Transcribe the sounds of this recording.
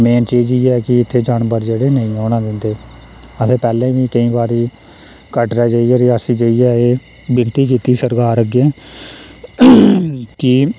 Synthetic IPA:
meːnt͡ʃiːd͡ʒiːɛːkɪɪt̪ʰːeːd͡ʒaːnbəɾd͡ʒeːɽeːnəĩːɔːɳãːd̪ɪ̃nd̪eː | əsʰeːpɛːlẽːʋiːkəĩːbaːɾiː | kəʈɾɛːd͡ʒəːiɛːɾɪaːsiːd͡ʒəiːɛːeː | bɪnt̪iːk̬iːt̪iːsəɾkaːɾəɡẽː | kɪ

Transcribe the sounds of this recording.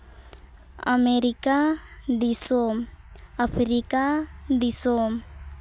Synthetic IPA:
a̰meɾikad̪isomapʰɾikad̪isom

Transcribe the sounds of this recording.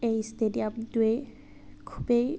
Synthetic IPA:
ejstediapdue | kʰubej

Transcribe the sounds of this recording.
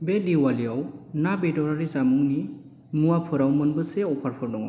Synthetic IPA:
bediwalijawnabedɔɾaɾizamuŋni | muapʰɯɾawmɯnbɯseɔpʰaɾpʰɔɾdɔŋa̰

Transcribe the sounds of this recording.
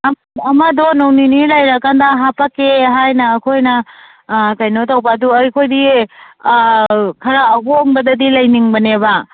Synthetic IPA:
ɐmɐdonowninilajɾakandaɦapakeɦajnɐːkʰojnɐ | kajnotawpaduɐɾkʰojdi | kʰɐɾaːɦoŋbɐdɐdilɐjniŋbɐnebɐ

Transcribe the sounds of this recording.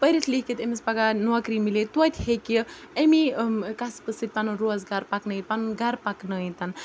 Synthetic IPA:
pəjɾit̪ʰliket̪emespakanuakɾimilet̪wɐt̪ʲheki | emikaspɨsit̪̚panunɾoɐzɡaɾpaknəĩt̪panunɡaɾpaknəĩt̪an

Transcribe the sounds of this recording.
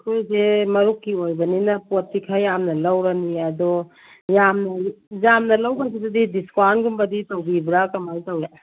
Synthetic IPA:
kʰojsemɐɾukːiojbɐninɐpot̚ːikʰajamnɐlɐwɾɐniɐdɔ | jamnɐjamnɐlɐwɡasidɐdidiskwaɾnɡumbɐditɐwbibɾakɐmajtɐwja

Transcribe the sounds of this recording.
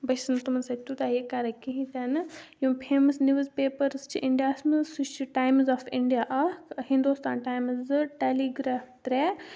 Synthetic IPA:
bɐsɨnt̪umɐnsat̪ut̪ajekaɾɐkiɦĩt̪ʲaːnɨjumpʰeːmɐsniʋɐzpeːpɐɾst͡ʃʰḭʔiɳɖijaːsmɨsut͡ʃiʈajmzɔːfiɳɖijaːʔɐhĩnd̪ust̪a̰ːnʈajmzɨʈeliɡɾaːft̪ɾe

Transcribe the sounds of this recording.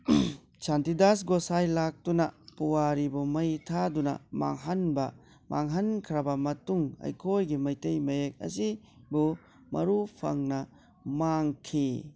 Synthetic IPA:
santidasɡosajlak̚tunɐ̰puwaɾibumɐjtʰadunɐ̰ma̰ŋɦɐnbɐ | mʔaŋɦɐnkʰɾɐbɐmɐtuŋɐ̰jkʰojɡimɐjtɐjmɐjek̚ɐ̰si | bu | mɐ̰ɾupʰɐ̰ŋnɐ | maŋkʰi

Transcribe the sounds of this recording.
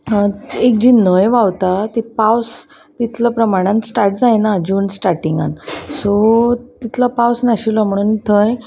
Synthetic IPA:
ek̚d͡ʑinːojʋawt̪at̪ipaws | t̪it̪ʰləpɾəmaɽ̃ãnt̪sʈaɾʈd͡zajnad͡ʑuːnsʈaɾʈiŋɡa̰nsot̪it̪ʰlapawsnaɕilɔm̤əɽ̃uːnt̪ʰəj

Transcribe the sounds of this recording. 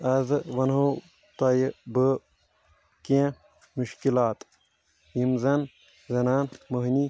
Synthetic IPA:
ɐzʋɐnɦo | t̪ɐjbɨ | kẽ | muʃkilaːt̪ | jimzɐn | zɐnaːnmɐɦni

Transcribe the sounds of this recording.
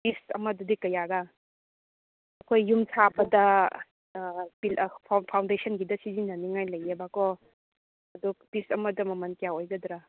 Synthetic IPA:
pistɐ̰mɐdɐdikɐjaɡa | ɐkʰojːumsʰabɐdɐ | pilpʰapʰawndesʰɐnɡidɐsizinːɐniŋajlɐjebakɔ | ɐduk̚pisɐmɐdɐmɐmɐnkijaojɡɐdɾa

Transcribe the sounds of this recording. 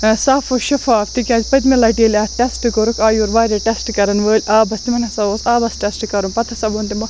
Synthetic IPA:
saːfoʃɐfaːft̪ikʲãːzʲpɐt̪milɐːʈiːlʲaːʈesʈɨkoɾukʰaːjuɾʋaːɾʲɐʈesʈɨkɐɾɐnʋəːlʲʔaːbɐst̪imɐnʲɐsɐoːsaːbɐsʈesʈɨkɐɾumpɐt̪ʰɐsɐboːnt̪imɐ

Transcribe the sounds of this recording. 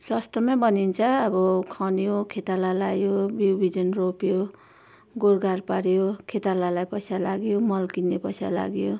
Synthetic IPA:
sʌst̪ʌmabʌnint͡sʰʌːbʌkʰanjokʰet̪alalajobiwbʱid͡zʌnropjo | ɡorɡʱarpaɾjokʰet̪alalajpʌsalaɡjomʌlkinːepʌjsala̰ɡjo

